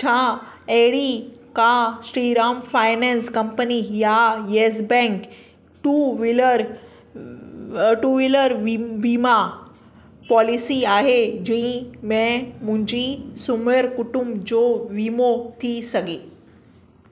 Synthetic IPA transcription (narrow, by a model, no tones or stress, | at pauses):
t͡ɕʰã | eɦɽikãsɾiːɾaːmfaːɪnɛ̃nskɐ̃mpənijajes̬bɛ̃ŋk | ʈuʋiləɾ | ʈuːʋiləɾʋʋiːma | pɔːlisiaːɦed͡ʑĩmɛ̃mʊ̃ɦɪ̃ɲd͡ʑisuməəɾkʊʈʊmbd͡ʑoʋiːmot̪ʰisɐɡe